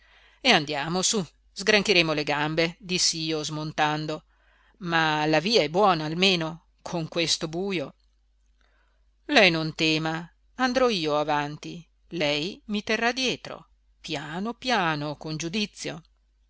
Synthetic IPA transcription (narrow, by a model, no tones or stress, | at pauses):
eand̪jaːmosu | zɡɾaŋkeɾeːmoleɡambed̪isːiːozmont̪and̪o | malaviːaɛbːwɔːnaːlmeːno | kʰoŋkwest̪obuːjo | lɛjnont̪ɛːma | and̪ɾɔiːoavant̪i | lɛjmit̪erːad̪jɛːt̪ɾo̰ | pjaːnopjaːnokond͡ʒud̪it̪sːjo̰